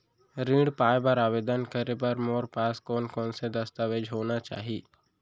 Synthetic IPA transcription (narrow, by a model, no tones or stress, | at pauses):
ɾĩːɽpaːjbəɾaːʋeːd̪ənkəɾep̬ɐɾmoːɾpaːskɔːnkɔːnsed̪əst̪aʋeːd͡ʒʱɦoːnat͡ʃa̰ːɦiː